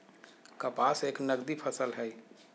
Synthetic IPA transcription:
kəpaːseːknəɡd̪ipʰəsəlɦɛ

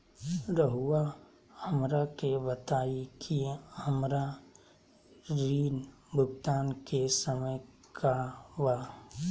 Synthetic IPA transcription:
ɾəɦua | həmɾakebət̪aːikʰihəmɾa | ɾiːn | bʱʊɡt̪aːnkesəməj | kʰawa

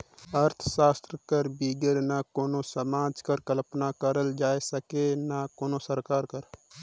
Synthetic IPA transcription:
ɐɾt̪ʰʃaːst̪ɾəkəɾbiːɡəɾnakoːnõsəmaːd͡ʒkɐɾkəlpnakəɾəld͡ʒaːesɐkenakoːnosəɾkaːɾkəɾ

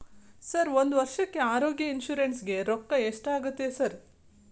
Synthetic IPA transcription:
sɐɾʋo̞nd̪uʋɐɾʂɐkːe̞aːɾoːɡjɐinʃuːɾensɡe̞ɾɔkːɐeʂʈaːɡut̪ːesɐɾ

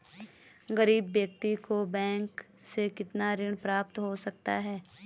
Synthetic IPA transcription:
ɡɐɾiːbːjɐk̚t̪ikobɛ̃ːŋk | sekɪt̪naɾɪɽ̃pɾaːp̚t̪ɦosɐk̚t̪aɦɛː

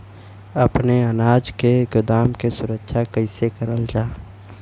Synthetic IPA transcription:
ɐpneɐnaːd͡ʒkeɡʊd̪aːmkesʊɾəkʃʰakəɪsekəɾəld͡ʒaː

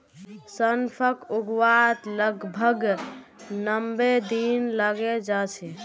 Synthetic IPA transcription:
sənpʰəkuɡwat̪ləɡbʱəɡ | nəmbed̪inləɡed͡ʒat͡ʃʰɛ

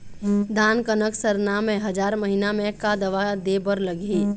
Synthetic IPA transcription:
d̪aːnkənəksəɾnamẽɦɐd͡ʒaːɾməɦinamẽkad̪ɐʋad̪ebəɾləɡeː

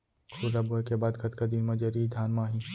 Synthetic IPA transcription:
xʰuzabuekebaːd̪ɡɐt̪kad̪inmɐ̃d͡ʒeɾid̪ʱaːnmaːɦĩ

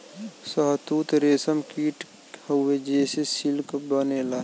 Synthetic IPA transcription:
səɦt̪uːt̪ɾeːsəmkiːʈ | hoed͡ʒeːsesɪlkbənelaː

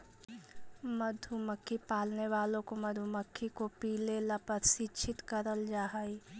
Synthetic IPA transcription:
mɐd̪ʱuməkʰːipaːlneʋaːlõkomɐd̪ʱuməkʰːikopiːlelapəɾsit͡ʃʰɪt̪kəɾəld͡ʒaːɦai

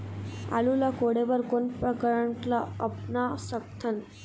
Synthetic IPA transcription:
a̰lulakoɽeʋəɾkonpɾəkəɾəɳʈlaəpnasək̚t̪ʰən

